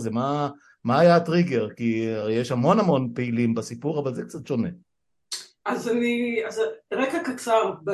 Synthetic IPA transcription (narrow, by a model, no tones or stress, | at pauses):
zema | maːjatʁiɡeʁkiaejeʃhamo̞nhamo̞npeilimbasipuʁavalzek̚t͡sat̪ʃo̞ne | azaniazʁekakat͡saʁb